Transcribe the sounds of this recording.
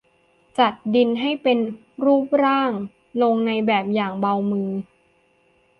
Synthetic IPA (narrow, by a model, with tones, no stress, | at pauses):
t͡ɕa˨˩t̪̚di˧nɦa˥˩jpe˧n | ɾuː˥˩p̚ɾaː˥˩ŋ | lo˧ŋna˧jbɛː˨˩p̚jaː˨˩ŋba˧wmɯː˧